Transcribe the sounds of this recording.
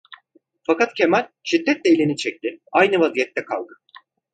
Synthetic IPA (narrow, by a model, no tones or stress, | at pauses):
fakat̪cʰe̞mælʲʃid̪ːɛt̪̚lʲejlʲinit͡ʃʰɛc̚t̪ɪajnɯvazijɛt̪ːɛkʰa̰lˠd̪ɯ